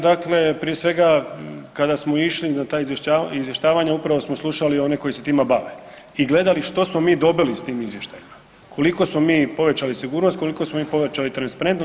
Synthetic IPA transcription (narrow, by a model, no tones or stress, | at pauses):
d̪akle̞pɾijesʋe̞ɡakad̪asmo̞iʃlinat̪aːizjeʃaizʋjeʃt̪aːʋaɲaupɾaʋosmoslˠuʃalio̞ne̞ko̞jise̞t̪iːmabaʋe | iɡle̞d̪aliʃt̪o̞smo̞miːd̪o̞bilist̪iːmizʋje̞ʃt̪ajima | kʰo̞liko̞smomiːpo̞ʋet͡ɕalisiɡuːɾnost̪ko̞liko̞smomiːpo̞ʋet͡ɕalit̪ɾanspaɾent̪no